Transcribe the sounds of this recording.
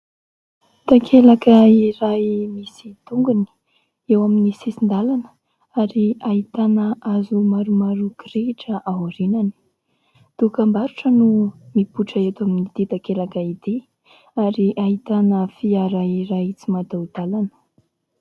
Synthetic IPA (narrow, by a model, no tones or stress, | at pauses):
d̪̥akʰelakəiɾajmisit̪uŋɡuni̥ | ewaminisisind̪alanə | aɾiaɦit̪anəʔazumaɾumaɾukɾeiʈ͡ʂəʔawaɾinani̥ | t̪ukambaɾuʈ͡ʂənumipuʈ͡ʂaet̪aminid̪̥ed̪akelakəid̪i | aɾiʔaɦit̪anəfiaɾaiɾajit͡simad̪awd̪̥alanə̥